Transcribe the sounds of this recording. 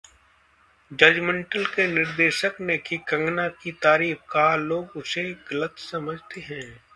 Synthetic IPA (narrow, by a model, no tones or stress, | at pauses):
d͡ʒɐd͡ʒmə̃ɳʈəlkenɪɾd̪eːʃəknekikɐ̃ŋɡnakit̪aːɾiːfkaɦaloːɡʊseɡɐlət̪sɐməd͡ʒʱt̪eɦɛ̃ː